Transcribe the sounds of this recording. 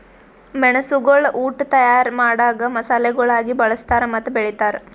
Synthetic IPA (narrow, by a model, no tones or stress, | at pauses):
mɛɳɐsuɡɐɭuːʈt̪ɐjaːɾmaːɽaːɡɐmɐsaːleɡɐɭaːɡibɐɭɐst̪aːɾemɐt̪ːɐbeɭit̪aːɾe